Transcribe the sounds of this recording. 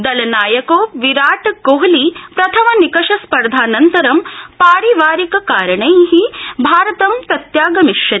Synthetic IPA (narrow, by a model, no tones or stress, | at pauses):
d̪ɐlɐnaːjɐkoːʋiɾaːʈkoɦlipɾɐt̪ʰɐmɐnikɐʂɐspɐɾd̪ʱaːnɐnt̪ɐɾɐmpaːɾiʋaːɾikɐkaːɾɐɳɐjɦibʱaːɾɐt̪ɐmpɾɐt̪jaːɡɐmiʃjɐ